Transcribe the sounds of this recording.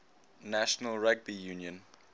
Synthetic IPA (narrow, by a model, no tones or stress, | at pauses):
næʃənəlɹaɡ̚bijũːnjə̃n